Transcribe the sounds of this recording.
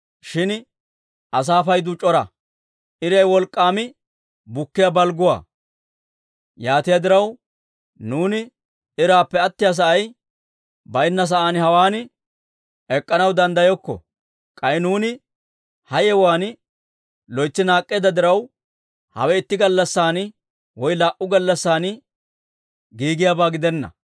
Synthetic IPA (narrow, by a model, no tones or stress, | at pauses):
ʃɪn | ʔɐs̬aːfɐjd̪ʊt͡ʃʼɔɾɐ̰ | ʔɪɾɐjwɔlkʼːaːmɪ | bʊkːɪjabɐlɡʊwa̰ː | jaːt̪ɪjad̪ɪɾɐw | nuːnɪ | ɪɾaːpːɛɐt̪ːɪjaːs̬ɐʔɐj | bɐjnːɐs̬ɐʔaːnhɐwaːnɪ | ɛkʼːɐnɐwd̪ɐnd̪ɐjɔkːɔ̰ | kʼɐɪnuːnɪ | hɐjɛwaːn | lɔjt͡ʃːɪnaːkʼːeːd̪ɐd̪ɪɾɐw | hɐ̰wɛɪt̪ːɪɡɐlːɐsːaːn | wɔjlaːʔʊɡɐlːɐsːaːn | ɡiːɡɪjaːbaːɡɪd̪ɛnːɐ̰